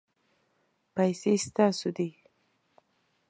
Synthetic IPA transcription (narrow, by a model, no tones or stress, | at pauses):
pajsest̪asod̪i